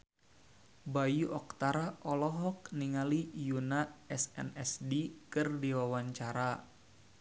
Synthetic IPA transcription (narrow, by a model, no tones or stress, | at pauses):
bajuʔɔk̚t̪aɾaʔɔlɔɦɔk̚niŋalijunaɛsɛ̰nɛsdikɨrdiwawaɲt͡ʃaɾa